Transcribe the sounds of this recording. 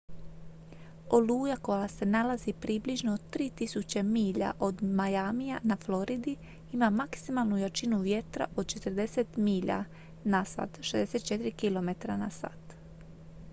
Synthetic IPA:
oluːjako̞jase̞nalazipɾibliʒnot̪ɾiːt̪isut͡ɕemiːʎa̰ʔo̞d̪majamijanaflo̞ɾid̪i | imamaksimalˠnujat͡ʃinuʋje̞t̪ɾa̰ʔod̪̚t͡ʃe̞t̪əɾd̪e̞set̪miːʎa̰ | nasa̰ːt̪ʃezd̪ese̞t̪̚t͡ʃe̞t̪iɾikilo̞me̞t̪ɾanasa̰ːt̪

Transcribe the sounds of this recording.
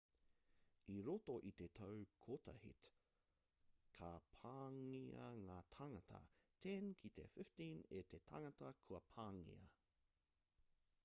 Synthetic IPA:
iɾotoʔit̪etʰɐwkʰotɐ̰hḭt | kʰɐpʰaːŋiɐŋaːtʰaŋɐtʰɐ̰tʰɛnkʰit̪ḛfɪftĩnet̪etʰaŋɐtɐkʰuɐpʰaːŋḭɐ̰

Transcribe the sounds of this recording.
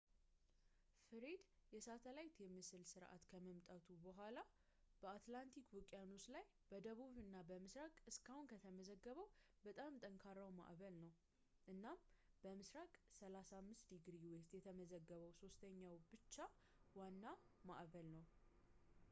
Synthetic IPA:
fɨɾed̪jɛsat̪ʰəlajt̪jɛmːɨsɨlsɨɾʔa̰t̪kʰəməmt̪ʼat̪ʰubəɦʷala | b̥əat̪lant̪ʰikwɔkʼːjanoslaj | b̥əd̪əβuβɨnːabəmɨsɾakʼɨskahunkʰət̪ʰəməzəɡːəβəw | bət̪ʼamt̪ʼəŋkʰaɾəwma̰ʔβəlnəw | ʔɨnːambəmɨsɾakʼsəlasamːɨst̪d̪iɡɾiwest̪jɛt̪ʰəməzəɡːəβəwso̞st̪ʰəɲːawbɨt͡ʃːa | wanːama̰ʔβəlnəw

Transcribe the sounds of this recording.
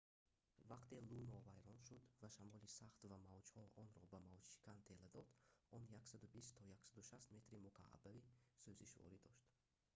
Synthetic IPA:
vaqt̪ʰelunɔvajɾɔnʃud̪vaʃamɔlisaχt̪vamavd͡ʒhɔʔɔnɾɔbamavd͡ʒʃi̥kʰʲant̪ʰelad̪ɔd̪ɔnjaksad̪ubist̪t̪ʰɔjaksad̪uʃast̪me̞t̪ɾimukʰa̰ʔa̰bavisøziʃvɔ̰ɾid̪ɔʃt̪

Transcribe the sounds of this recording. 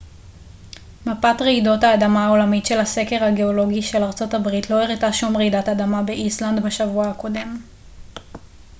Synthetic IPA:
mapatʁeido̞thaːdamaːo̞lamitʃe̞lhase̞keʁhaɡe̞o̞lo̞ɡiʃe̞laʁt͡so̞tabʁitlo̞eʁitaʃumʁeidatad̪amabe̞ʔislandbeʃavuahako̞de̞m

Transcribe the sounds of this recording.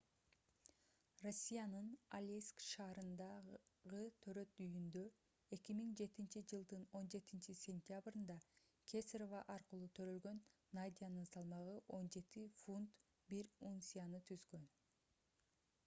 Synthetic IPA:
ro̞sʲːijanɯnalʲeskʃɑːɾɯnd̪ɑʁɯt̪ʰø̞ɾø̞t̪yjynd̪ø | e̞kʲimiŋd͡ʒe̞t̪int͡ʃid͡ʒɯlˠd̪ɯno̞nd͡ʒe̞t̪int͡ʃisʲe̞nʲt̪ʲjabrɯnd̪ɑ | kʲʰesɾovɑʔɑɾqɯlˠuːt̪ʰø̞ɾø̞lɡø̞nː | ad̪ʲijanɯnsɑlˠmɑʁɯʔo̞nd͡ʒe̞t̪ifunt̪ | biɾunsʲijanɯt̪ʰyzɡø̞n

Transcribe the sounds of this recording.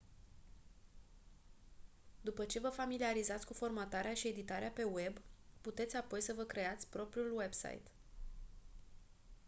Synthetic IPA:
d̪upət͡ʃe̞vəfamiliaɾizat̪sʲkufo̞rmat̪aɾeaʃie̞d̪it̪aɾeape̞we̞bput̪e̞t̪sʲapo̞jsəvəkɾe̞at̪sʲpɾo̞pɾiulwe̞bsa̰jt̪

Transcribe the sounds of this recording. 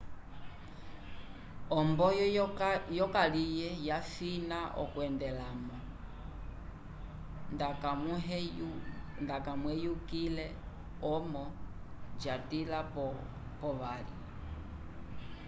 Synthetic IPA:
ɔmbɔj | jɔkalijɛjafinaʔɔ̰kwɛndɛlamɔ | ndakamuɦ | ndakamwɛjukilɛ | ɔmɔ | d͡ʒatila | pɔʋalḭ

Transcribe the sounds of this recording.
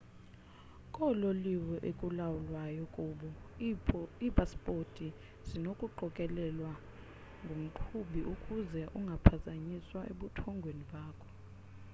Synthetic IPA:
kʼɔloliwɛʔekʼulawulwajɔkʼuːɓɔ | ipʼaspʼotʼi | z̥inokʼuǃɔkʼɛlɛlwa | ŋɡʱom̩ǃʰuɓiʔukʼuzɛʔuŋɡʱapʰazaɲiswaʔeɓutʰɔŋɡʱweniɓaːkʰɔ̥

